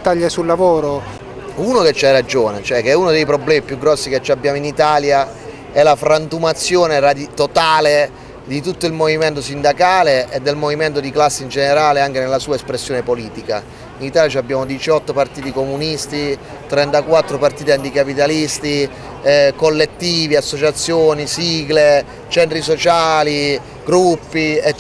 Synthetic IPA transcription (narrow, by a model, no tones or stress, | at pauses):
t̪ːaʎːesulːavoːɾo | unoket͡ʃːajɾad͡ʒoːnet͡ʃoɛkːɛuːnod̪ejpɾoblɛːmipjuɡɾɔsːiket͡ʃːiabːjaːmoinit̪aːlja | ɛlafɾant̪umat̪sːjoːnerad̪it̪ot̪aːle | d̪it̪ut̪ːoilmoviment̪̬osind̪akaːleʔed̪ːelmoviment̪̬od̪iklasːeind͡ʒeneɾaːleaŋk̟enelːasuːaespɾesːjoːnepoliːt̪ika | init̪aːljat͡ʃabːjaːmod̪it͡ʃɔt̪ːopart̪iːt̪ikomunist̪i | t̪ɾɛnt̪akwat̪ːɾopart̪iːt̪ant̪ikapit̪alist̪i | kolːet̪ːiːviasːot͡ʃat̪sːjoːnisiːɡle | t͡ʃɛnt̪ɾisot͡ʃaːli | ɡɾupːiɛ